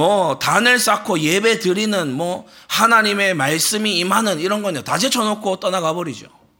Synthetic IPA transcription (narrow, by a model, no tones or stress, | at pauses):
ʌtanɯɭs͈akʰoje̞be̞dɯɾinɯnmwʌ | hanaɲime̞maɭs͈ɯmiːmɦanɯniɾʌnɡʌɲotad͡ʑʰet͡ɕʰʌnokʰot͈ʌnaɡabʌɾid͡ʑo̰